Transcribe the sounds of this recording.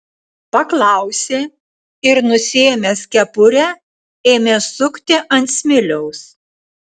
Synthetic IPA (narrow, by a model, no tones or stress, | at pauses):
pɐklˠɑˑʊsʲeː | ɪɾnʊsʲeːmʲɛsʲkʲɛpʊɾʲɛ | eːmʲeːsʊkt̪ʲɪʔɐnʲt̪ʲsʲmʲɪlʲɛʊs